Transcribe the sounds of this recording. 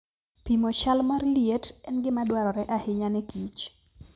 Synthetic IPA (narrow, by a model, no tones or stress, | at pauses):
pimot͡ʃalmarljetɛnɡɪmadwaɾɔɾɛʔahɪɲanɛkit͡ʃ